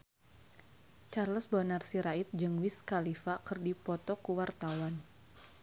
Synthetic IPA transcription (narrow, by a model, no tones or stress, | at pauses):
t͡ʃarləsbonarsiɾait̪̚d͡ʒɨŋwiskalifakɨrdipɔt̪ɔkuwart̪awan